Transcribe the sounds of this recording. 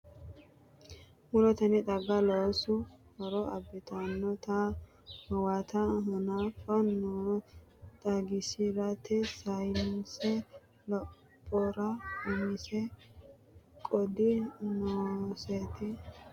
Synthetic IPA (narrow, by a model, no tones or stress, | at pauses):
mʊlɔt̪ɐnɪd̪ɐɡːɐloːsʊhɔɾɔɐbɪt̪ʰɐnːɔt̪a | hɔwat̪ʰɐɦɔnaːfɐnɔ | t̪ɐɡɪsɪɾɐt̪ʰɛsɐjnsɛ | lɔ | pʼːɔɾɐʊmɪsɛ | kʼɔd̪ɪnoːset̪ɪ